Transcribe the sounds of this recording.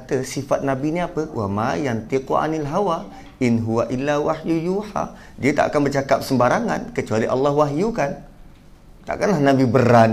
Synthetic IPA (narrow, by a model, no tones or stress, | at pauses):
t̪əsifat̪̚nabiniapəwʔa̰majant̪ikuʔa̰nalɦawa | ʔɪnɦuwaʔilːawahjujuħa̰ | diət̪a̰ʔa̰kanbərt͡ʃakap̚səmbaɾaŋankət͡ʃualiʔɑlːɑhwaɦjukan | t̪a̰ʔkanlahnãbibəɾan